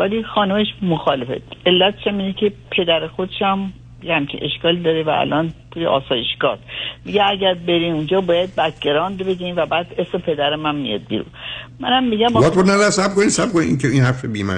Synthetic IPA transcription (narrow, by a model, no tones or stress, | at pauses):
vælixɒːnumeʃmoxɒːlefḛelːæt̪ʰe̥ʃæmiːnecʰe̞pʰe̞d̪æɾexod̪eʃæm | jehæmcʰḭʔeʃkɒːlid̪ɒːɾevæ̰æ̰lʔɒːnt̪ʰuːjeʔɒ̰ːsɒːje̞ʃɡɒ̰t̪miɟeæɟæɾbe̞ɾiːmund͡ʒɒːbɒːjæd̪̚bæt̪ʰɟe̞ɾɒːnd̪beɟimvæbæːd̪e̞smepʰe̞d̪æɾemæmmḭjɒ̰d̪̚bḭɾṵnmænæmːiɡæmbbɒt̪̚bonædsæb̚konisæb̚koniiŋkʰeinhæɾfebiːmæ̰